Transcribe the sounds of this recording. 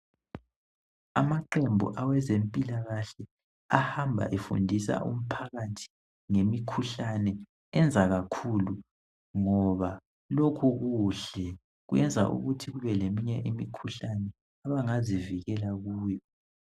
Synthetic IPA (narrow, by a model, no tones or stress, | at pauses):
a̰maǃembʱṵʔawɛzempʼilaɣaɬɛ | ahambʱa̰ʔefṵndʱisa̰ʔṵm̩pʰaɣatʰi̥ | ŋemikʰuɬanɛ | ɛnd͡zʱaɣakʰulu | ŋɔβa | lokʰuɣuɬɛ | ɣuɛnd͡zʱa̰ʔṵɣutʰiɣuβɛlemiɲɛʔimikʰuɬanɛ | aβaŋaziviɣɛlaɣuːjɔ